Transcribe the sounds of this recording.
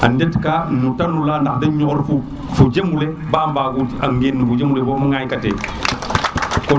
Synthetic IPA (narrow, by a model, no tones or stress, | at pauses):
ʔandetkaːnutanːulaːnahdɐɲɔːɾfu | fuɟemule | baːmbaɡuta̰ŋɡenːbud͡ʒemulebomuŋajkatḛː | kɔ